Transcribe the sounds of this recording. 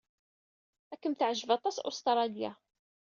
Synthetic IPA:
ækːəmθʕʒəvɑt̪ˤɑsʊ̰st̪ɾˤɑlja

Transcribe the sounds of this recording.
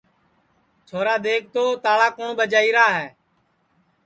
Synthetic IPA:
t͡ʃʰoːɾaːɗ̪eːk̚ʰt̪oːt̪aːɭaːkoːɳɓəd͡ʒaːiːɾaːɦɛː

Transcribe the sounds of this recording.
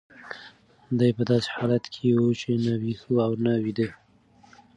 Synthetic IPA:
d̪ajpəd̪ɑse̥hɑlat̪kʰewut͡ʃenawihuawnawid̪ə

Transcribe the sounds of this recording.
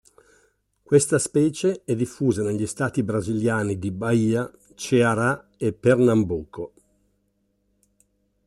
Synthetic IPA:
kwest̪aspɛːt͡ʃeɛd̪ifːuːzaneʎːist̪aːt̪ibɾaziljaːnid̪ibaiːa | t͡ʃeaɾa | epːernambuːko

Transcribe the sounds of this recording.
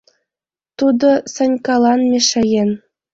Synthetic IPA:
t̪ud̪ɤ̆sɤ̆nʲkɑlˠɑnmʲeʂɘ̆jen

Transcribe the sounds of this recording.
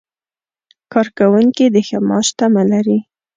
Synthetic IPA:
kɑɾkawuŋkid̪əxəmɑʃt̪amalaɾi

